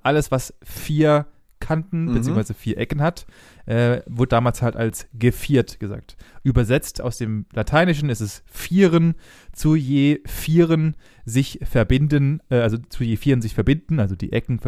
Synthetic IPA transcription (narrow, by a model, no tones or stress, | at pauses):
ʔaləsv̥asfiːɐ | kʰantn̩bət͡siːoŋsvaɪzəfiːɐʔɛkn̩hat | ʔɛːvʊɐdədaːmaːlshalta̰lsɡ̥əfiːɐtɡ̥əza̰ːk̚tʔyːbɐzɛt͡stʰa̰ʊsd̥eːmlatʰaɪnɪʃ̬n̩ɪstɛsfiːʁən | t͡sujeːfiːʁən | zɪçfɛɐbɪndənɛʔalzot͡sujeːfiːʁənzɪçfɛɐbɪndn̩ʔalzodḭːʔɛkn̩f